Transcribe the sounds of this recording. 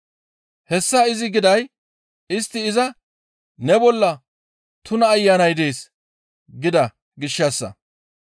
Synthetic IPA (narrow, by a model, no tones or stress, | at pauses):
hɛsːɐɪzɪɡɪd̪ɐj | ɪst̪ːɪːzɐ | nɛbɔlːɐ | t̪ʊnɐːjːaːnɐjd̪e̞ːs | ɡɪd̪ɐ | ɡɪʃːɐsːɐ̰